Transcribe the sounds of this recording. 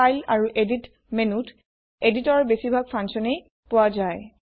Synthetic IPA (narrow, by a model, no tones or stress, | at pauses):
ajlaɹuʔedit | menut | editɔɹbesibʱaɡ̚pʰansɔnej | pʊazaj